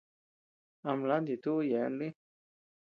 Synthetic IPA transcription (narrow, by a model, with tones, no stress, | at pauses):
a˧mla˦nd̪i˨t̪u˦jɛ˨˦nli˦